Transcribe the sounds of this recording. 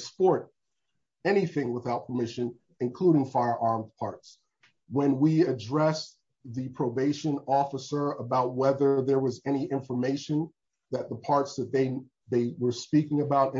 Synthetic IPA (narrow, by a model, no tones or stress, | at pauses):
spɔɹɾ | ɛñiθɪ̃ŋwəθaʊt̚pʰə˞mɪʃɨ̃n | ɨ̃nkʰl̥uɾɪ̃ŋfaɪə˞ʔɑɹmpʰɑɹts | wə̃nwiɨdɹɛs | ðɨpʰɹ̥oʊbeɪʃɨ̃nɔfəsə˞əbaʊt̚wɛðə˞ðə˞wʌzɛñiʔɪ̃ɱfə˞meɪʃɨ̃n | ðɨt̪̚ðəpʰɑɹtsðɨt̪̚ðeɪ | ðeɪwə˞spikɪ̃ŋɨbaʊɾɨ̃